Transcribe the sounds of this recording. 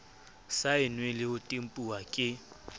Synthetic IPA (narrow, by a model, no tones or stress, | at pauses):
saɪnwelɪʊtʼem̩pʼuwakʼɪ